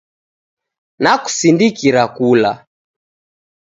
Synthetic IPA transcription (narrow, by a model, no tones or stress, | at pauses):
naku̥sindikiɾakula̰